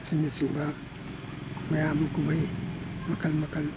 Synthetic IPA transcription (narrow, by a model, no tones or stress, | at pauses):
sinisiŋba | majamakubajmakalmakal